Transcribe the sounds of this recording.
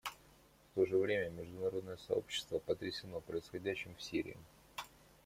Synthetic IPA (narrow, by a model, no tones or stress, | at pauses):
ft̪o̞ʐɨvɾʲemʲəmʲɪʐd̪ʊnɐɾo̞d̪nəjəsɐ̰o̞̰pɕːɪ̥st̪vəpət̪ɾʲɪsʲɪno̞pɾəɪsxɐdʲæɕːɪmfsʲiɾʲɪ̰ɪ̰